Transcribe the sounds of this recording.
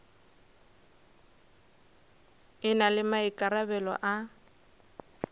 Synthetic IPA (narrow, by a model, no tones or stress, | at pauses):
ɪnalɪmaɪkʼaɾabɛlɔ̰ʔa